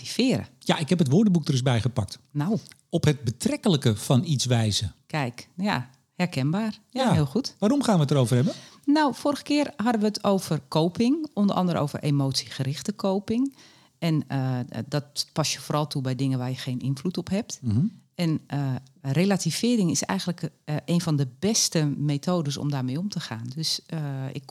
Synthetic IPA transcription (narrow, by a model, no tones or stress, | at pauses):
tifɪːɾə̰jaʔɪkhɛpətʋʊːɹdəbuk̚dərʏsbɛjχəpɑk̚tnaw | ɔpɦət̚bətrɛkələkəfɑnitsʋɛjzəkɛjkja̰ | hɛrkɛnbaːrjjahɪəlˠxutʋaːɾɔmχaːnʋətəɾowvərɦɛbənawforəɣə̥kɪːərɦɑdəʋəətʰowv̥ərkʰowpɪŋɔndəʔɑ̰ndəɾəo̰ːwvə̰rʔemoːtsi̥xəɾɪxtəkʰowpɪŋ | ɛndɔtpɑsjəfoːɾɑlˠtʰubɛjdɪŋəʋaːɹjəxejnɪnflutɔpɦɛp̚tɛnərelativ̥ɪːɾɪŋɪsɛ̰jɣəntləkʔeːnfɔndəbɛstəmeːtʰoːdəsɔ̰mdaːrmejomtəxaːndøsɪ̰k